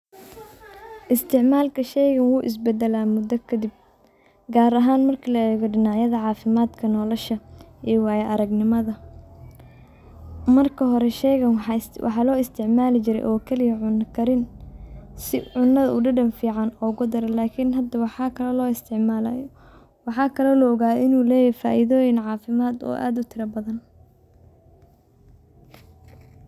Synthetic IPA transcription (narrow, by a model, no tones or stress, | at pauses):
ʔɪst̪ʰɪʕmaːlkʰɐʃɛjɣɐnwuːʔɪ̰s̬bɛd̪ɛlaːmʊd̪ɔkʰɐd̪ɪb̚ | ɡaːɾɐɦaːnmɐrkʰɐlɐɛːɣɔɖɪnɑʕjɐðɐʕɑːfɪmaːd̪kʰɐnɔːlɔʃɐʔɛːwɑːjɛʔɐɾɐɡnɪmɐðɐ | mɐrkʰɐɦɔɾɛʃɛjɣɐwʔɑ̰ħɑːlɔːɪst̪ʰɪʕmaːlɪt͡ʃɪɾɛ̰jʔɔːkʰɛlɪjɐʕʊnɐkʰɐɾɪn | sɪʕʊnːɐðɐʊɖɐɖɐnfiːʕɑnɔːʊɣʊd̪ɐɾɛlaːkʰɪnɦɐd̪ɐwɑħɑkʰɐlɐlɔːɪst̪ʰɪʕmaːlaj | wɑħɑːkʰɐlɔlɐɔɣaːðɪnuːlɛːjɛfa̰ːʔiðɔːjɪnʕɑːfɪmaːd̪ɔ̰ːʔa̰ːd̪ʊt̪ʰɪɾɐbɐðɐn